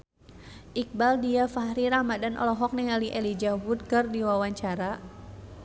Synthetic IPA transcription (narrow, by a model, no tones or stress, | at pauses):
ʔik̚baldiafahɾiɾamadanʔɔ̰lɔɦɔk̚nɛŋaliʔelid͡ʒawut̪̚kərdiwawaɲt͡ʃaɾa